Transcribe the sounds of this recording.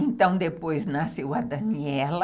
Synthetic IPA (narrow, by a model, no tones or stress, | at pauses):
ẽnt̪ɐ̃w̃d̪epojznasewɐd̪ɐniɛlɐ